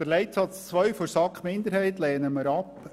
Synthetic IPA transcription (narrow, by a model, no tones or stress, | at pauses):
əɾlɛɪtsɑt͡st͡sʋœʏfoɾsɑkχmɪnd̪əɾhɛɪtlɛːnəməɾɑp